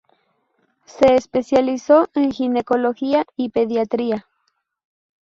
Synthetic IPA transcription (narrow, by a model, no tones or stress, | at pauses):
seːspesjalisoʔenxinekoloxiaipeðjat̪ɾia